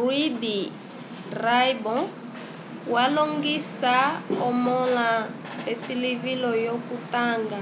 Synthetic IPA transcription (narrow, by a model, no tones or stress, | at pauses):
rwidi | rajbɔ̃ | waloŋɡisaɔmɔla | pesilivilɔjokutaŋɡa